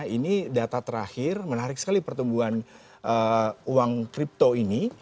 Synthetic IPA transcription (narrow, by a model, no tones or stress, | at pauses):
inidat̪at̪əɾahɪrmənaɾɪk̚səkalipərt̪umbuan | ʔəuwaŋkɾip̚t̪oini